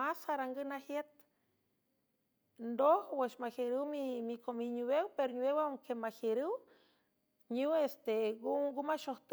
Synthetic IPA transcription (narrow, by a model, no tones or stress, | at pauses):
asaɾaŋɡɨnahjet̪̚ | nd̪ohweʃmaheɾɨwmimikomiɲuwewpeɾoɲuewawŋkemaheɾɨw | ɲuwest̪eɡuɡumaʃoht̪